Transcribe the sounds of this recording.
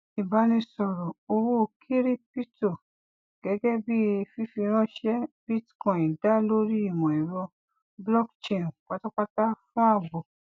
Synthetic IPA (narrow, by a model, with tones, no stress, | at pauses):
i˨ba˨˦nĩ˧sɔ˨ɾɔ˨o˧wu˦˧˨kʰi˦ɾi˦pi˦to˨ | ɡ̥ɛ˨˦ɡɛ˦bi˦˧fi˦fĩ˧ɾ̃ɔ̃˦ʃɛ˦bi˦tkɔ̃˨ĩ˨da˦lo˦ɾi˦i˦˨wɔ̃˨i˨wɔ˧ | blɔ˦kt͡ʃe˨n˨k͡pa˨˦tɔ˦k͡pa˦ta˦fã˦a˦˨bo˨